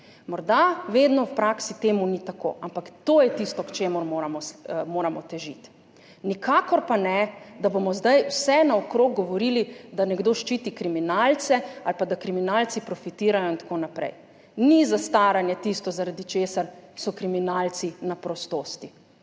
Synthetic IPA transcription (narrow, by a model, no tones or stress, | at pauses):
mɔɾd̪aʋeːd̪nɔwpɾaːksit̪eːmunit̪ako̰ːʔampakt̪oːjɛt̪ist̪ɔkt͡ʃeːmɔɾmoːɾamɔmoːɾamɔt̪ɛʒḭt̪ | nikʰaːkɔɾpanɛd̪abomɔzd̪ajwsɛnaɔkɾoːɡ̚ɡɔʋɔɾiːlid̪anɛɡd̪oːʃt͡ʃiːt̪ikɾiminalt̪sɛalpad̪akɾiminaːlt̪sipɾɔfit̪iːɾajɔint̪ḁkonapɾɛ̰j | nizast̪aɾanjɛt̪ist̪ɔzaɾad̪it͡ʃeːsaɾsɔkɾiminaːlt̪sinapɾɔst̪oːst̪i